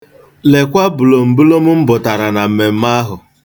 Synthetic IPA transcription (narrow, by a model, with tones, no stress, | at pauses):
le˨kʷa˦bʊ˨lo˨m̩˨bu˦lo˦mʊ˦m̩˦bʊ˨ta˨ɾa˨na˨m̩˨me˨m̩˦ma˦ɦʊ˨